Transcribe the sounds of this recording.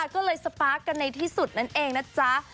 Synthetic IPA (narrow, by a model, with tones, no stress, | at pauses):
kɔː˥˩lɤː˧jsa˧paː˦˥k̚kːa˧nːa˧jt̪ʰiː˥˩su˨˩t̪̚na˦˥˩nʔeː˧ŋna˦˥t͡ɕa˦˥